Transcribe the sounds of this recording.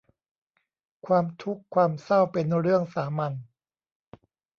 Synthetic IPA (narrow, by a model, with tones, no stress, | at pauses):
kʰwaː˧mt̪ʰu˦˥kʰːwaː˧msa˥˩wpe˧nɾɯ˥˩əŋsaː˩˦ma˧n